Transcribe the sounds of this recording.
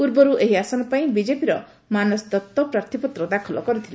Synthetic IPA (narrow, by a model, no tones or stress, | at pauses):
uɾbɔɾuʔeɦiasɔnɔpaĩbid͡ʒepiɾɔ | manɔsd̪ɔt̪ːɔpɾaɾt̪ʰipɔt̪ɾɔd̪akʰɔlɔkɔɾut̪ʰile